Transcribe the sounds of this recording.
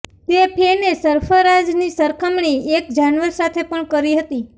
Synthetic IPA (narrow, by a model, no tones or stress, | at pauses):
t̪epʰenesəɾfəɾad͡ʒnisəɾkʰəmɳiekd͡ʒanʋəɾsat̪ʰepəɳkəɾiɦət̪i